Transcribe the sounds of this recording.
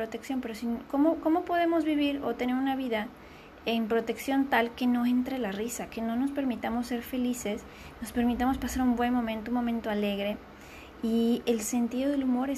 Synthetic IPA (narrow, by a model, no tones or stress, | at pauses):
ɾot̪e̞ksjo̞mpe̞ɾosinko̞moko̞mo̞po̞ðe̞mo̞zβiβ̞iɾo̞̰t̪e̞ne̞ɾunaβ̞iða | empɾo̞t̪e̞ksjo̞nt̪alke̞no̞e̞nt̪ɾe̞larisake̞no̞no̞spe̞ɾmit̪amo̞sːe̞ɾfe̞lise̞s | no̞spe̞ɾmit̪amo̞spasaɾumbwe̞nmõ̞mẽnt̪oumːo̞mẽnt̪o̞ale̞ɣɾe̞ | ie̞lse̞nt̪iðo̞ðe̞lumo̞ɾe